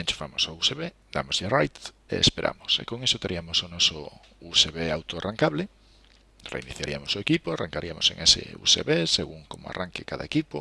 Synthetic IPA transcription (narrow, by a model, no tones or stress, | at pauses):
enʲt͡ʃu̥famosouseβe | d̪a̰mozjerajt̪ | ḛḛspeɾʔa̰mosḛkoŋesot̪eɾʔiamosonoso̰ | useβeawt̪oaraŋkaβle | rḛiniθjaɾiamosoekipoarʔaŋkaɾiamosḛ̃ŋʔesḛṵseβeseɣuŋkomoa̰rʔaŋkekaðaekipo